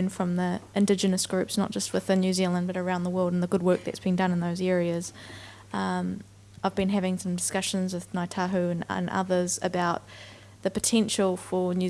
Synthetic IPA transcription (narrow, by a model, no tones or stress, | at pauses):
nfɹʌ̃mðiʔɨ̃ndɪd͡ʒɨnɨsɡ̥ɹʉpsnə̰t̚d̥ʒ̥ʌst̚wɨðɨnjʉzilˠə̃nbʌɾə˞ãʊ̃nðəwɜ˞lˠdn̩ðəɡʊd̚wɜˑ˞k̚ðɨ̰tsb̥ɨ̃ndʌ̃nə̃nðəʊzɛɹiɨz̥ | aɪvbɨ̃nɦævɪ̃ŋsʌ̃mdɨskʌʃɨ̃nzwɨðnaɪtʰaɦʉɨ̃ñ̰nʔʌ̰ðə˞zɨbaʊt̪̚ | ðɨpɨtʰɛ̃nʃl̩ˠfə˞njʉ